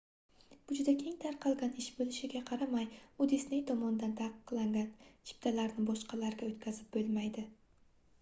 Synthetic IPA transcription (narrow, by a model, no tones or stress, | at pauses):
b̥ʊd͡ʒʊd̪akʲʰe̞ŋt̪ʰaɾqʰɑlˠɡʲanɪʃbɵlɪʃɪɡʲaqʰɑɾamajʊd̪esne̞jt̪ʰɒmɒnd̪ant̪ʰaqɨ̥qlˠaŋɡʲant͡ʃʰɪ̥p̚t̪ʰalaɾnɪbɒʃqʰɑlaɾɡʲaot̪kʲʰazɪp̚bɵlˠmajd̪ɪ